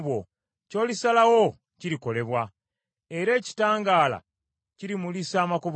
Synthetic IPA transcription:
βwo | co̞ːlisalawo̞ | ciɾiko̞le̞βwa | e̞ɾe̞ːci̥taːŋɡaːla̰ | ciɾimulisaːmakoβ

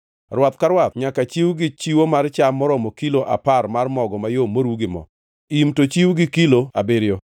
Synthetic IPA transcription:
rwat̪kaɾwat̪̚ɲakat͡ʃiwɡɪt͡ʃiwomart͡ʃamɔɾɔmɔkiloʔa̰paɾmarmɔɡɔmajomoɾuɡɪmɔ̰ | imtot͡ʃiwɡɪkiloabeɾjɔ

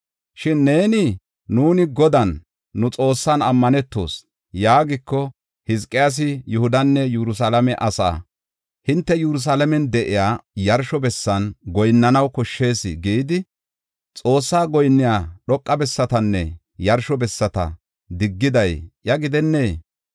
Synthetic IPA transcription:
ʃɪnːe̞ːnɪː | uːnɪɡɔd̪ɐnː | ʊt͡sʼo̞ːsːanɐmːɐnɛt̪ːo̞̰ːs | jaːɡɪkːɔ | hɪskʼːɪjaːs̬ɪjʊhʊd̪ɐnːɛjʊɾʊs̬alɐmɛʔɐsa̰ː | hɪnt̪ːɛjʊɾʊs̬aːlɐmɛnd̪ɛʔɪjaːjɐɾʃɔbɛsːɐnɡɔjnːɐnɐwkɔʃːe̞ːsɪ̰ɡiːd̪ɪ | t͡sʼo̞ːsːaːɡɔjnːɪjaːɗɔkʼːɐbɛsːɐt̪ɐnːɛ̰ | jɐɾʃɔbɛsːɐt̪ɐ̰ | d̪ɪɡːɪd̪ɐjʔjɐɡɪd̪ɛnːe̞ː

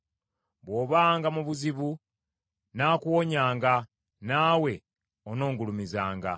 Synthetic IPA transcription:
βwo̞ːβaːŋɡamuβuziβu | naːkuwoɲaːŋɡa | naːwe̞ | ono̞ːŋɡulumizaːŋɡa̰

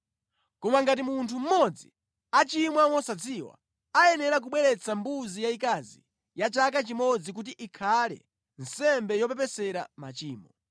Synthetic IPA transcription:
kɔmaŋɡat̬imuntʰum̩mɔd͡zi | at͡ʃimwamɔsat͡sʰiwa̰ | ajɛnɛɾak̬uɓwɛɾɛt͡sambuzijaikazḭ | jat͡ʃak̬at͡ʃimɔd͡zik̬ut̬iʔikʰalɛ̰ | n̩sɛmbɛjɔpɛp̬ɛsɛɾa̰ma̰t͡ʃiːmɔ

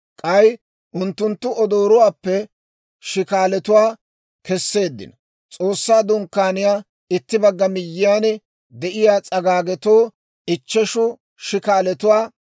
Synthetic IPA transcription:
kʼɐj | ʔʊnt̪ːʊnt̪ːʊɔd̪oːɾʊwaːpːɛ | ʃɪkaːlɛt̪ʊwaː | kɛsːe̞ːd̪ːɪ̰nɔ | t͡sʼo̞ːsːaːd̪ʊŋkːaːnɪjaː | ɪt̪ːɪbɐɡːɐmɪjːɪjaːnɛ | d̪ɛʔɪjaːt͡sʼɐɡaːɡɛt̪oː | ɪt͡ʃːɛʃʊ | ʃɪkaːlɛt̪ʊwaː

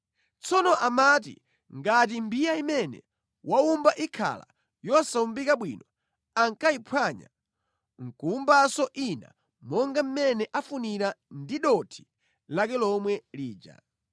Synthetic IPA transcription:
t͡sɔnɔʔamatḭ | ŋɡat̬imbijaimɛnɛ̰ | waumbaʔikʰa̰la̰ | jɔsaumbikaɓwḭnɔ | aŋkaipʰwaɲa̰ | ŋ̩kuumbasɔʔina̰ | mɔŋɡam̩mɛnɛʔafuniɾandiɗɔtʰi̥ | lakɛlɔmwɛliːd͡ʒa̰

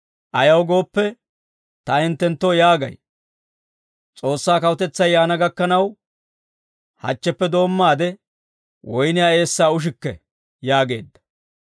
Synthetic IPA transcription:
ʔɐjɐwɡo̞ːpːɛ | t̪ɐɪnt̪ːɛnt̪ːojaːɡɐ̰j | t͡sʼo̞ːsːaːkɐwʊt̪ɛt͡sːɐjːaːnɐɡɐkːɐnɐw | hɐ̰t͡ʃːɛpːɛd̪o̞ːmːaːd̪ɛ | wʔɔjnɪjaːe̞ːsːaːʊʃ̬ɪkːɛ̰ | jaːɡe̞̰ːd̪ːɐ̥

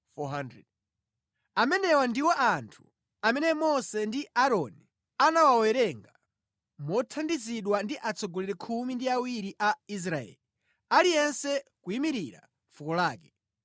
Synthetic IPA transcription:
fɔɦandɾɛd | amɛnɛwandiwɔʔantʰu̥ | amɛnɛmɔsɛndiʔaɾɔni | anawawɛɾɛŋɡa | mɔtʰandiziɗwandiʔat͡sɔɡɔlɛɾɛkʰumindiawiɾiʔais̬ɾaɛ̰ːli | alijɛnsɛkuimiɾiɾa̰ | fukɔlaːk̬ɛ

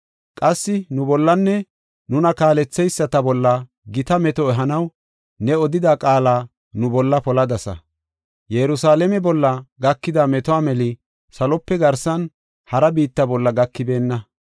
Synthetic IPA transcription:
kʼɐsːɪnʊbɔlːɐnːɛ | nʊnɐkaːlɛt͡sːɛjsːɐt̪ɐbɔlːɐ | ɡɪt̪ɐmɛt̪ɔɛɦɐnɐw | nɛɔd̪ɪd̪akʼaːlaː | nʊbɔlːɐpɔlɐd̪ɐsɐ̰ | jɛɾʊsaːlɛmɛbɔlːɐɡɐkːɪd̪amɛt̪ɔaːmɛlɪ | sɐlɔpːɛɡɐɾsɐn | hɐɾɐbiːt̪ːɐbɔlːɐɡɐkːɪbe̞ːnːɐ

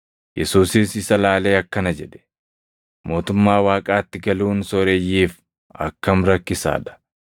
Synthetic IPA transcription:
jɛsuːsɪsɪsɐlaːle̞ːɐkːɐnɐd͡ʒɛᶑɛ̥ | mo̞ːt̪ʊmːaːwaːkʼaːt̪ːɪɡɐluːnsɔɾejiːf | ɐ̰kːɐmɾɐkːɪsa̰ːᶑɐ̥

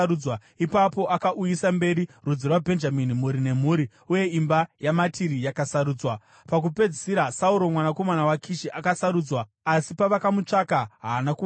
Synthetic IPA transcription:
ɾud͡zwa | ipapo̞ʔakaʔujisambe̞ɾirud͡zirwabʱe̞nd͡ʒaminimuɾine̞m̤uːɾi | uje̞imbajamatiɾijakasaɾuːd͡zwa | pak̬upe̞d͡zisiɾasauɾo̞mwanako̞manawakʰiʃiʔakasaɾuːd͡zwaː | sipaʋakamut͡ʂakaɦaːnaku

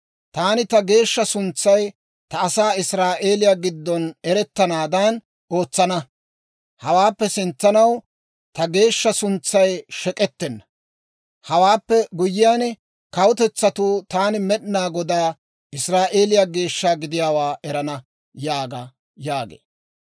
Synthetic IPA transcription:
t̪aːnɪt̪ɐɡe̞ːʃːɐsʊnt͡sːɐj | t̪ɐːsaːɪsɾaːʔe̞ːlɪjaːɡɪd̪ːɔnɛɾɛt̪ːɐnaːd̪ɐn | ʔo̞ːt͡sːɐnɐ | hɐwaːpːɛsɪnt͡sːɐnɐw | t̪ɐɡe̞ːʃːɐsʊnt͡sːɐjʃɛkʼɛt̪ːɛnːɐ | hɐwaːpːɛɡʊjːɪjaːn | kɐwʊt̪ɛt͡sːɐt̪uːt̪aːnɪmɛɗnaːɡɔd̪aː | ɪsɾaːʔe̞ːlɪjaɡe̞ːʃːaːɡɪd̪ɪjaːwaːʔɛɾɐnɐ | jaːɡɐ | jaːɡḛː

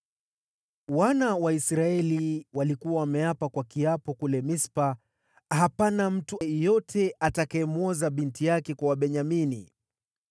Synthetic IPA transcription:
wanawaisɾaɛliwalikuwawamɛjapakwakiapɔkulɛmispa | hapanam̩tujɔtʰɛatakaɛmwɔzaɓintijakɛkwawaɓɛɲaminḭ

